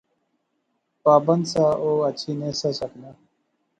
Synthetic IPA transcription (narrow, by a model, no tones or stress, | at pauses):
paːbənd̪saːʔoːət͡ʃʰiːneːsasəknaː